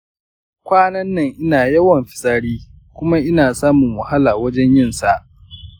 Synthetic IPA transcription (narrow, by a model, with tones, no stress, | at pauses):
kʷaː˦nɐ˦nːɐ˨ŋʔɪ˦naː˨jɐ˦wɐ˨mɸɪ̥˨saː˦ɽiː˦ | kʷʊ˦ma˦ʔɪ˦naː˨saː˦mʊ˨ŋwɐ˨ha˦laː˨wɐ˦d͡ʒɛ˦ɲjɪ˦nsa˨ʔ